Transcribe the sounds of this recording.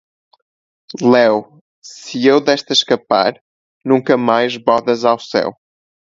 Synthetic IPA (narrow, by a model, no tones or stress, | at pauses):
lˠɛw | sɨewðɛʃt̪ɐʃkɐpa̰ɾ | nũŋkɐmajʒβɔðɐzawsɛ̰w